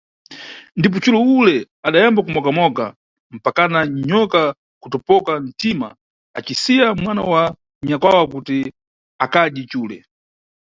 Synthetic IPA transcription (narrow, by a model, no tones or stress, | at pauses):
ndip̬ɔt͡ʃulɔulɛ | aɗajambakumɔkamɔka̰ | m̩pakanaɲɔka | kutɔpɔkan̩tima̰ | a̰t͡ʃisijamwana̰wa | ɲakwawakuti | akaɗit͡ʃuːlɛ̰